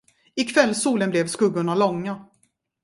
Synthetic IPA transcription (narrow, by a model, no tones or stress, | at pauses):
ɪkʰvɛlːsuːlənblɛvskɵɡːʊɳalɔŋːa